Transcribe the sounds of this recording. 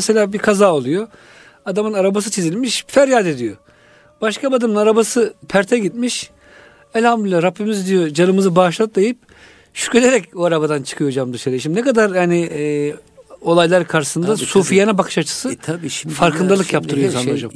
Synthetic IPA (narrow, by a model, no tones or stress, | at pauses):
selʲaːbikʰazaːolˠujo | ad̪amɯnaɾabas̬ɯt͡ʃʰizilʲmiʃfæɾjaːd̪e̞d̪ijo | b̥aʃkʰabad̪ɯmɯnaɾabasɯpʰæɾt̪ʰɛɟit̪̚miʃ | ɛlʲhamd̪ʲilʲːɛɾapːimizid̪ijo̞d͡ʒanɯmɯzɯbaːʃlˠat̪̚lˠajɯp̚ | ʃy̥celʲeɾɛcoaɾabad̪ant͡ʃʰɯ̥kʰɯjo̞d͡ʒamd̪ɯʃaɾɯʃimnekad̪aɾhani | o̞lˠajlˠaɾkʰaɾʃɯsɯnd̪asuːfijanabakʰɯ̥ʃat͡ʃʰɯ̥sɯfaɾkʰɯnd̪alˠɯkjap̚t̪ʰɯɾɯjosanˠaod͡ʒam